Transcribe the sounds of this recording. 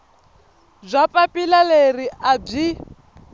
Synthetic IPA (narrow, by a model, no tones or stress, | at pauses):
zʷapʼapʼilaleriʔab͡ʐi